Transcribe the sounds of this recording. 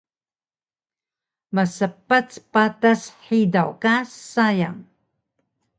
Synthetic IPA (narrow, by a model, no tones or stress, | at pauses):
məsəpat͡spatasħidawkasaja̰ŋ